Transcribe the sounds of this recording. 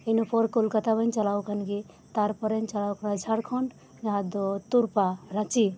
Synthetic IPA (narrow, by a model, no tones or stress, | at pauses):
ənopʰɔɾkolkət̪abənt͡ʃəlawkʰənki | t̪aɾpəɾənt͡ʃəlawkʰnd͡ʒʱaɾkʰɔɳɖ | d͡ʒɦãd̪ot̪uɾpaɾat͡ʃi